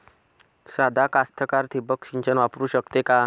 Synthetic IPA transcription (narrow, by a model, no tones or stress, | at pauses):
sad̪ʱakast̪ʰəkaɾt̪ʰibəkɕiɲt͡ɕənʋapɾuːɕəkt̪eka